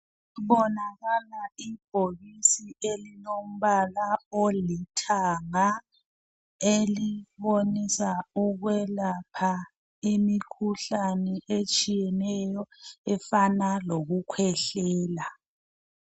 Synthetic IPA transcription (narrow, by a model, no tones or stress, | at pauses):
βɔnaɣalaib̥ʱoɣisielinom̩βalaolitʰaŋa | eliβonisauɣwɛlapʰa | imikʰuɬanɛʔet͡ʃʼijɛnɛjɔɛfanaloɣukʰwɛɬɛːla